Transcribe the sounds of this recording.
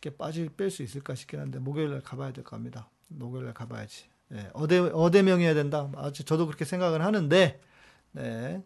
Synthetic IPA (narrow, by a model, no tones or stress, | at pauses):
kʰe̞p͈ad͡ʑip͈eɭs͈uis͈ɯɭk͈aɕʰi̥kʰinɦande̞moɡjʌɭːaɭkabajadwe̞ɭk͈ʌamɲida | moɡjʌɭːaɭkaba̰ja̰d͡ʑi̥ | ne̞̰ʌdeʌdemjʌŋejadwe̞ndaad͡ʑit͡ɕʌdokɯɾʌkʰesʰe̞ŋɡaɡɯɭhanɯnde̞ | ne̞